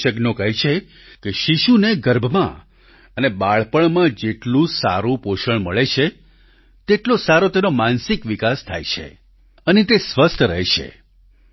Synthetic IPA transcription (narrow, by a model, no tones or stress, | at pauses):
ʃəɡnokəɦit͡ʃʰe | keʃiʃuneɡəɾbʱmã̰ | ənebaɭpəɳmãd͡ʒeʈlũsa̰ɾũpoʃəɳməɭet͡ʃʰe | t̪eʈlosaɾot̪enomansɪkʋikast̪ʰa̰jt͡ʃʰḛ | ənet̪esʋəst̪ʰəɾəɦɛt͡ʃʰḛ